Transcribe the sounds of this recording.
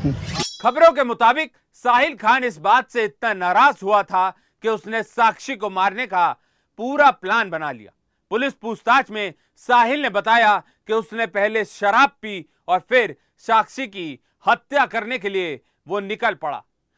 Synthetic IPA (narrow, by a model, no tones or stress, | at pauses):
xɐbɾõk̬emʊt̪aːbɪk̚ | saːɦɪlkʰaːnɪs̬baːt̪seɪt̪nanaːɾaːzɦuat̪ʰa | keʊsnesaːkʃikomaːɾneka | puːɾaplaːnbɐnalḭja̰ː | pʊlɪspuːst̪aːt͡ʃmẽ | saːɦɪlnebɐt̪aːja | keʊsnepɛɦleʃɐɾaːb̚pi | ɔːɾfʰɪɾ | saːkʃiki | hɐt̪jakɐɾnek̬elie | ʋonɪkəlpɐɽa̰ː